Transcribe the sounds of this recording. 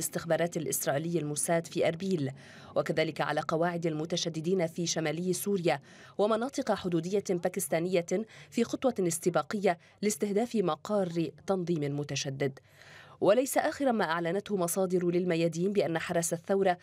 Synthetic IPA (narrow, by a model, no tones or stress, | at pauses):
ɪst̪ɪxbɑːɾˤɑːt̪alʔɪ̰sɾˤɑːʔːlɪjːalmʊsaːd̪fiːʔɑɾˤbiːl | wakaðaːlɪkaʕa̰laːqɑwaːʕɪd̪almʊt̪aʃad̪ːɪd̪iːnafiːʃamaːlɪjːsuːɾɪjaː | wamɑnɑːt̪ˤɨqɑħʊd̪uːd̪ɪjːabaːkɪst̪aːnɪjːafiːxʊt̪ˤwɑɪst̪ɪbaːqɪjːa | lɪst̪ɪhd̪aːfɪmɑqɑːrːt̪ɑnðˤiːmɪmʊt̪aʃad̪ːɪd̪ | walajsaʔaːxɪɾamaːʔaʕlanat̪hʊmɑsˤɑːd̪ɪɾlɪlmajaːd̪iːnbɪʔanːaħɑɾˤɑsaθːawɾˤɑ